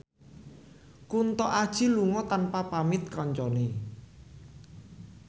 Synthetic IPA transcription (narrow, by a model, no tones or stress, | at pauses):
kunt̪ɔʔad̥ʒ̥i̤luŋɔt̪anpapamɪt̪̚kɔɲt͡ʃɔne